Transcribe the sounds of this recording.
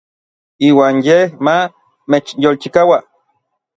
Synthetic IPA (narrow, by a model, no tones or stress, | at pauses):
iːwaːnjehma | met͡ʃjolt͡ʃikawa